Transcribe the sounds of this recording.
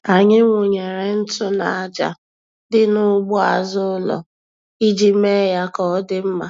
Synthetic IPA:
a˨ɲɪ˦ŋʷʊ˨ɲe˨ɾe˨n̩˦tʊ˦na˨˦d͡ʒa̰˨ | dɪ˦nʊ˦ɡ͡bʊ˦a˨zʊ˦ʊ˦lɔ̰˨ | i˦d͡ʒi˦me˦ja˦kɔ˨˦dɪ˦m̩˦ma˨

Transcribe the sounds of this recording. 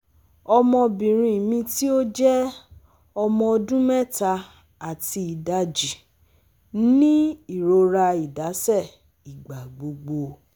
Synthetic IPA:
ɔ˧mɔ̃˧bĩ˨ɾ̃ĩ˧mĩ˧ti˦o˦d͡ʒɛ˦ | ɔ˧mɔ̃˧ɔ˧dũ˦mɛ˦ta˧ | a˨ti˧i˨da˧d͡ʒi˨ | nĩ˦i˦˨ɾo˧ɾa˧i˨da˨˦sɛ˦˨ | i˨ɡ͡ba˨ɡ͡bo˧ɡ͡bo˧

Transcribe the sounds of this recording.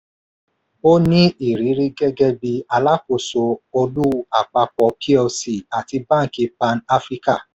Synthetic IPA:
o˦nĩ˦i˨ɾi˨˦ɾi˦ɡɛ˦ɡɛ˧bi˧a˧la˦ko˨so˧o˧lu˦a˨k͡pa˧k͡pɔ˨pʰi˦o˧si˨a˨ti˧bã˦˨ki˨˧pa˧na˦fɾi˦ka˦˨

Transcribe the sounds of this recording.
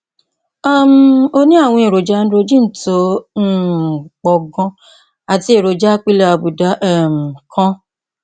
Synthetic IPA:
a˦˨m˨˦o˧nĩ˦a˦˨w̃ɔ̃˧e˨ɾo˨d͡ʒa˨˧˦n̩˦ɾo˧d͡ʒĩ˦n̩˦˨to˨˦˨ | k͡pɔ˨ɡɔ̃˧ | a˨ti˧e˨ɾo˨d͡ʒa˦k͡pi˦la˦a˧bu˨da˨˦ʔɛ˦m̩˨kʰã˦

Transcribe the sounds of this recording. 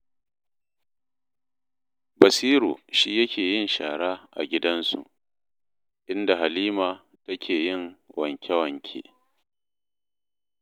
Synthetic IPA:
bɐ˨siː˦ɾṵː˨ʃiː˦jɐ˦kʲʰeː˨jɪ˦nʃaː˨ɽaː˦ʔa̰˨ɡʲɪ˦dɐ˦nsṵ˨ | ʔɪ˦nda˨ɦa˨liː˦maː˨ | tɐ˦kʲʰeː˨jɪ˦˨ŋwɐ˨ŋkʲɛ˦wɐ˨ŋkʲʰḛː˦

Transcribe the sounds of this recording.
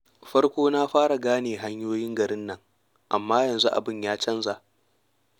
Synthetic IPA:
ɸɐ˦ɽkʷoː˦naː˦ɸaː˦ɽa˨ɡaː˦neː˨ɦa˦ɲjoː˦jɪ˦ŋɡɐ˨ɾɪ˦nːɐ˦˨ŋ | ʔa̰˨mːaː˦jɐ˨nzu˦ʔa̰˨bɪ˦ɲjaː˦t͡ʃɐ˦nza˨ʔ

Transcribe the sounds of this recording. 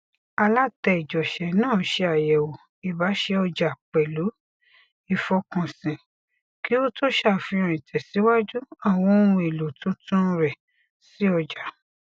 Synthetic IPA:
a˧la˦tɛ˧i˨d͡ʒɔ˨ʃɛ˨nãː˦˨˦ʃe˧a˨jɛ˨wo˨ | i˨ba˨˦ʃe˧ɔ˧d͡ʒa˨k͡pɛ˨lu˨˦ | i˨fɔ˧kɔ̃˨sĩ˨ | ki˨˦o˦tʰo˦ʃa˦˨fĩ˧ɔ̃˨ĩ˨tʰɛ˨si˨˦wa˦d͡ʒu˦a˦˨w̃ɔ̃˨˧o˧ũ˧e˨lo˨tũ˨˦tũ˦˧ɾɛ˨ | si˨˦ɔ˧d͡ʒa˨

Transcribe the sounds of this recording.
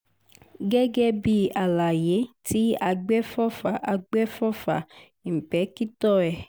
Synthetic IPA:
ɡɛ˦ɡɛ˦bi˧a˨la˨je˨˦ti˨˦a˧ɡ͡bɛ˦fɔ˦fa˨ʔa˧ɡ͡bɛ˦fɔ˦fa̰˨ | m̩˨pɛ˨˦ki˦tɔ˦ɛ˨

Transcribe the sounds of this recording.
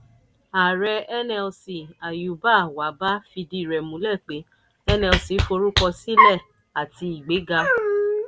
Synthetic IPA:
a˨ɾɛ˧ɛ˦nɛ˧lsi˧˨a˨ju˨˦ba˦˨wa˨˦ba˦fi˧di˦˨ɾɛ˨mũ˨˦lɛ˦˨k͡pe˨˦ | ɛ˦nɛ˧lsi˧˦fo˧ɾu˦kɔ˧si˦lɛ˦˨ | a˨ti˧i˨ɡ͡be˨˦ɡa˧

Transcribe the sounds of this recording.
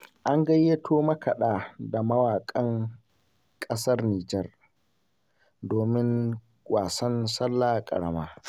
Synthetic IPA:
ʔa˦ŋɡɐ˦jːe˦tʰoː˦mɐ˦kɐ˨ɗaː˦da˨mɐ˦waː˨kʼɐ˦ŋ | kʼɐ˦sɐ˦rniː˨d͡ʒɛ˦r | doː˨mɪ˦ŋ | kʷʼaː˨sɐ˦nsɐ˦lːaː˦˨kʼɐ̰˨ɽɐ˦maː˦

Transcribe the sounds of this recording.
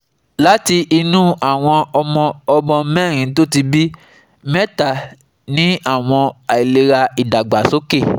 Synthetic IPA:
la˦ti˧ʔi˧nũ˦a˦˨w̃ɔ̃˧ɔ˧mɔ̃˧ɔ˧bɔ̃˧˦mɛ˦˨ɾ̃ĩ˨˦t̬o˦ti˧bi˦ | mɛ̃˦ta˦˨ | nĩ˦a˦˨w̃ɔ̃˧a˨i˨le˧ɾa˧i˨da˨ɡ͡ba˨so˨˦ke˦˨

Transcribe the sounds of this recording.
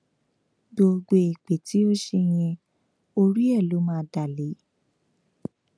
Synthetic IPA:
ɡ͡bo˧ɡ͡be˧e˨k͡pe˨ti˨˦o˦ʃe˧j̃ɛ̃˧ | o˧ɾi˦ɛ˦˨lo˨˦mãː˦˧˦da˦˨le˨˦

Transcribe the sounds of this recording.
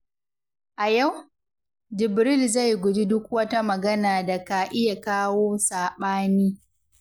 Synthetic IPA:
ʔa˨ja˦˨w | d͡ʒɪ˨bɾɪ˦lza˦˨jɡʷʊ˨d͡ʒi˦dʊ˦k̚wɐ˦ta˦mɐ˨ɡɐ˦naː˨da˨ka˨ʔɪ˦ja˨kaː˦woː˦saː˨ɓaː˦niː˦

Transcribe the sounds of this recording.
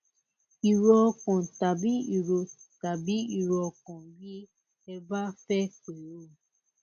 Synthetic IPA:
i˨ɾɔ˦ɔ˧kɔ̃˨ta˨bi˦i˨ɾo˨˧ta˨bi˨˦i˨ɾɔ˧kɔ̃˨ɡi˦ | ɛ˧ba˦fɛ˦k͡pe˨ɾo˦˨

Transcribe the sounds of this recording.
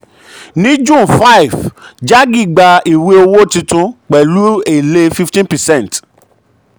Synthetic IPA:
nĩ˦d͡ʒũ˦˨fa˦i˨vd͡ʒa˦ɡi˦˨ɡ͡ba˧i˨we˦o˧wo˦tĩ˧tũ˧k͡pɛ˨lu˦e˨le˦fi˦ftĩ˦npɛ˨sɛ̃˦˨n˨t

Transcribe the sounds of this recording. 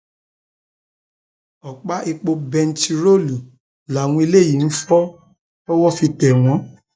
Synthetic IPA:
ɔ˨k͡pa˦ʔi˧k͡po˧bɛ̃˧n˨t͡ʃi˧ɾo˦˨lu˨ | la˨w̃ũ˧i˧le˦˨i˨˦n̩˦fɔ˦ | ɔ˦wɔ˦fi˧tɛ˨w̃ɔ̃˨˦

